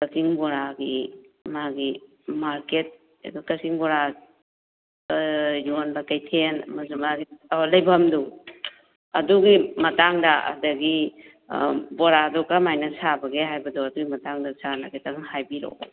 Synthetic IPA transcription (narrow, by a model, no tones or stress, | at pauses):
kɐkiŋbɔɾaɡimaɡi | maɾket̚ | ḛdukɐkiŋbɔɾa | junbakɐjtʰenɐ̰mazumaɡiawalɐjbʱɐmdu | ɐ̰duɡimɐtaŋdaɐ̰dɐɡi | bɔɾadɔkamajnɐsabɐɡeɦajbɐdɔɐduɡimɐtaŋdɐsanaɡetaŋŋhajbiɾo̰